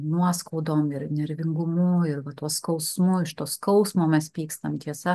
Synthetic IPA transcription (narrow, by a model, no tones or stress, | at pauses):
nuɔskɐʊd̪oːmɪɾnʲɛɾʲʋʲɪŋɡʊmʊɪɾʋɐt̪uɔskɒʊsmʊɪʃt̪uɔskɐʊsmoːmʲɛspʲiːkst̪ɐmt̪ʲiɛsɐ